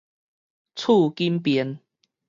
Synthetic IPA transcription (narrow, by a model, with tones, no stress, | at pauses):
t͡sʰu˥˧ki˦mpɛ˨˦n